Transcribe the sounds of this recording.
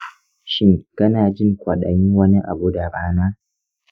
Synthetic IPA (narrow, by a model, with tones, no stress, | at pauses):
ʃɪ˦ŋkɐ˦naː˨d͡ʒɪ˦ŋkʷɐ˨ɗɐ̰˨jɪ˦ŋwɐ˦ni˦ʔa̰˨bu˦da˨ɾaː˦naː˦